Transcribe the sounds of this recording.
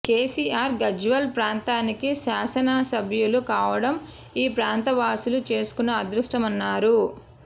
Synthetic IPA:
ke̞ːsiːaːɾɡɐd͡ʒuʋɐlpɾaːnt̪aːnikiʃaːsɐnɐsɐbʱjulukaːʋɐɽɐm | iːpɾaːnt̪ɐʋaːsulut͡ʃe̞ːsu̥kunːɐːd̪ɾuʂʈɐmɐnːaːɾu

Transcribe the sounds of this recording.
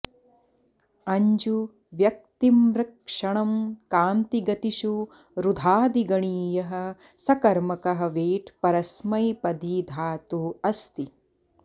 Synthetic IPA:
ɐɲd͡ʒu | ʋjɐk̚t̪imɾɐkʂɐɳɐmkaːnt̪iɡɐt̪iʃu | ɾud̪ʱaːd̪iɡɐɳiːjɐɦɐ̆ | sɐkɐɾmɐkɐɦɐ̆ʋeːʈʰpɐɾɐsmɐjpɐd̪iːd̪ʱaːt̪uːɐst̪i

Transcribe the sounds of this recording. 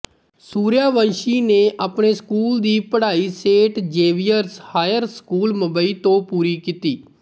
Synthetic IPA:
suːɾjaːʋənʃiːneːʔaːpɳeːskuːld̪iːpəɽaːiːseːʈd͡ʒeːʋijəɾshaːjəɾskuːlməbəiːt̪õːpuːɾiːkiːt̪iː

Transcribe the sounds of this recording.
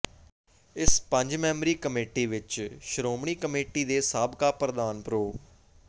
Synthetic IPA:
ɪspəɲd͡ʒmɛ̃ːmɾiːkəmeːʈiːʋɪt͡ʃʃəɾoːmɳ̃iːkəmeːʈiːd̪eːsaːbkaːpɾəd̪aːnpɾoː

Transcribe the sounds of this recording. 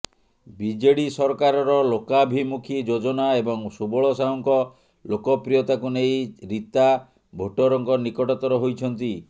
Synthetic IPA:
bid͡ʒeɽisɔɾɔkaɾɔɾɔlokabʱimukʰid͡ʒod͡ʒɔnaebɔŋsubɔɭɔsauŋkɔ | lokɔpɾijɔt̪akunejɾit̪a | bʱoʈɔɾɔŋkɔnikɔʈɔt̪ɔɾɔɦojt͡ʃʰɔnt̪i

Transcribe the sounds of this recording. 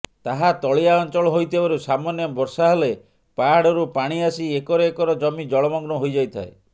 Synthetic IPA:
t̪aɦat̪ɔɭiaɔnt͡ʃɔɭɔɦojt̪ʰibaɾusamɔnjɔbɔɾsaɦele | paɽɔɾupaɽ̃iasiekɔɾɔekɔɾɔd͡ʒɔmid͡ʒɔɭɔmɔŋɡnɔɦojd͡ʒajt̪ʰa̰e

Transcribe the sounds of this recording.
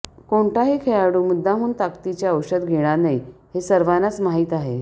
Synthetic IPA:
koɳʈaɦiːkʰejaɽuːmud̪ʱːaɦuːnt̪akt̪it͡ɕjaəwɕəd̪ɡʱeɽ̃anaiɦesəɾʋanat͡smaɦiːt̪aɦe

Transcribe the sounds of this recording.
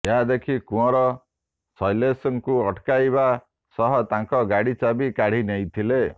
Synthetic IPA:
eɦad̪ekʰikũɔ̃ɾɔ | sɔjlesɔŋkuɔʈkajba | sɔɦɔt̪ãŋkɔɡaɽit͡ʃabikaɽ̤inejt̪ʰile

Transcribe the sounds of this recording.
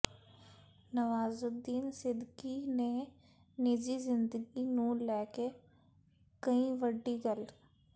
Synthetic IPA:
nəʋaːzʊd̪ːiːnsɪd̪ɡiːneː | nɪd͡ʒiːzɪnd̪əɡiːnũːlɛːke | kəĩːʋəɖːiːɡəl

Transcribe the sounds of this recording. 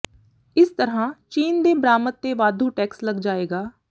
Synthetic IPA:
ɪst̪əɾãːt͡ʃiːnd̪eːbɾaːmət̪ːeːʋaːd̪ʱũːʈɛːksləɡd͡ʒaːeːɡaː

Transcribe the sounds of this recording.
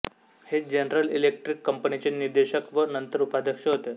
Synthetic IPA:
hed͡ʑenəɾəlilek̚ʈɾikːəmpənit͡ɕeniɾd̪eɕəkʋənənt̪əɾupad̪əkʂəɦot̪e

